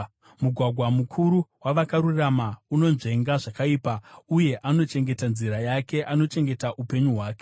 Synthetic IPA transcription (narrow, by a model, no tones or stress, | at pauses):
muɡʱwaɡʱwamukʰuɾuwaʋakaɾuramauno̞nʐe̞ŋɡaʐakaiːpauje̞ʔano̞t͡ʃe̞ŋɡe̞tanziɾajake̞ʔano̞t͡ʃe̞ŋɡe̞taʔupe̞ɲuɦwaːke̞̥